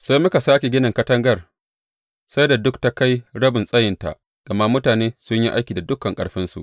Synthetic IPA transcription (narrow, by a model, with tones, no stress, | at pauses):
sa˦jmʊ˦ka˨saː˦kʲe˨ɡʲɪ˦nɐ˨ŋkɐ˦tɐ˦ŋɡɐ˦˨r | sa˦jda˨dʊ˦k̚ta˦ka˦jɽɐ˦bɪ˨nsʼɐ˦jɪ˨nta̰˨ʔ | ɡ̥ɐ˨ma˦mʊ˦taː˨neː˦sʊ˦ɲji˦ʔa̰˦jkʲiː˨da˨dʊ˦kːɐ˨ŋkʼɐ̰˨ɽɸɪ˦nsṵ˨ʔ